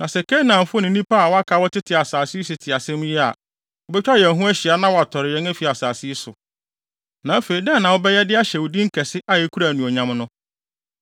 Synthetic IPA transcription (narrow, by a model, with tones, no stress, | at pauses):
nã˨sɛ˨kʰe˦nã˨m˨˦fʊ˦nɪ̃˨˦nĩ˦pa˦a˨wɔ˦a˦kʰa˨wɔ˦tʰɪ˦tʰɪ˨a˨saː˨si˦sɪ˨tʰɪ˨a˨sɛ̃˦m˦jɛ˦a̰˨ | ɔ˨˦bɛ˦t͡ɕᶣa˦˨ɛ̃˨nɦũ˦æ˦ɕi˨a˨nã˦wɔ˨a˨tʰɔ˨ɾɪ˨jɛ˦næ˦fi˨a˨saː˨si˦sʊ˨ | nã˨˦fe˨i˨dɛ˦˨nã˨wɔ˦bɛ˦jɛ˦dɪ˦a˦ɕɛ˨wʊ˨dĩ˦ŋ̩˦kʰɛ˨sɪ˦ʔa˦jɛ˦kʰu˦ɾa˨nũ˨ɔ˨ɲã˨mnʊ̃˦